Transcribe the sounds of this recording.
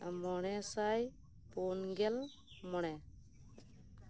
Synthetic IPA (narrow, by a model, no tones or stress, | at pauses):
mɔɽ̃ɛsaj | pɔnɡɛl | mɔɽ̃ɛ